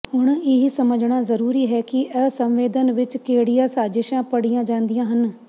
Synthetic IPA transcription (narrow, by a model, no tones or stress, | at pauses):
ɦʊɽ̃ɪɦisɐməd͡ʒɽ̃aːzɐɾuːɾiːɦɛːkiʔɛːsə̃mʋeːd̪ənʋɪt͡ʃkeːɽijãːsaːd͡ʒɪʃãːpɐɽijãːd͡ʒãːnd̪ijãːɦən